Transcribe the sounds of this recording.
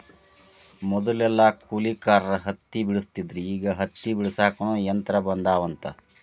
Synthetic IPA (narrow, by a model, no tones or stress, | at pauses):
mɔd̪ɐlɛlːɐkʰuːlikaːɾɐɾɐɦɐt̪ːibiɭust̪id̪ɾiːɡɐɦɐt̪ːibiɭisaːkɐɳuːjɐnt̪ɐɾɐbɐnd̪aːʋɐnt̪ɐ